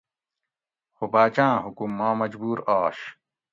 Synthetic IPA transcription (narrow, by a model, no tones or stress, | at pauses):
xobaːt͡ɕãːɦukumːãːmɐd͡ʑbuːɾaːɕ